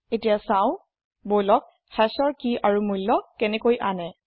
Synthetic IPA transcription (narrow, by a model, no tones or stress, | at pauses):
etijasãw̃ | bojlɔk̚ | hɛsɔɹkiʔaɹumujlːɔkɛnɛkojʔanɛ